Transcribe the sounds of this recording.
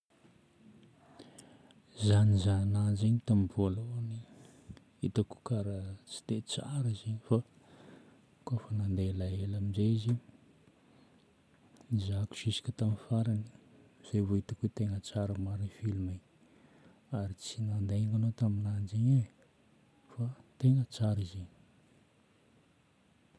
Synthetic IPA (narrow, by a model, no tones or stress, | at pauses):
zanizanand͡ʒeɲit̪amvualoni | it̪aku̥kaɾat͡si̥d̪̥et͡sa̰ɾəzeɲifa | kofənand̪elaelaminzeizi | nizaku̥ʃisi̥kʲət̪amifaɾani̥z̥ejvoit̪akuet̪eŋət͡saɾamaɾinfilume | aɾit͡sinand̪eŋanot̪aminand͡ʒeɲi | fat̪eŋət͡saɾizini̥